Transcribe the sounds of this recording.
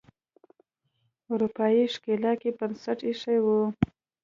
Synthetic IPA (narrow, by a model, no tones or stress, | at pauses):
ʊɾupɑjiʂkelɑkebənsaʈiʂajwu